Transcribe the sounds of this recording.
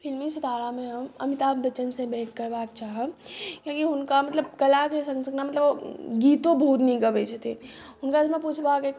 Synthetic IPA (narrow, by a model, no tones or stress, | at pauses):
pʰilmĩsət̪aːɽamẽɦəmə̰mit̪abət͡ʃːənsẽbɛːʈʰkəɾbaːkt͡ʃaːɦəkõkiɦʊnkamət̪ləbkəlakesə̃ŋsəɡnamət̪ləboɡiːt̪obɦut̪nəĩɡəbɛt͡ʃʰət̪iɦʊnkamẽput͡ʃʰbake